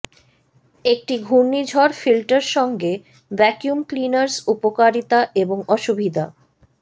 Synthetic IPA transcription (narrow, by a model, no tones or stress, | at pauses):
ek̚ʈiɡʱuɾnːid͡ʑʱɔɾfilʈaɾʃɔŋɡe | bɛkjumklinaɾsupokaɾit̪aʔeboŋɔʃubʱid̪a